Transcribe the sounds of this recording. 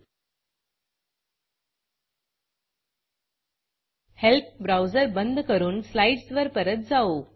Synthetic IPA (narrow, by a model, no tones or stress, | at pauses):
help̚bɾawd͡zəɾbənd̪ʱkəɾuːnslaiɖsʋəɾpəɾət̪̚d͡zao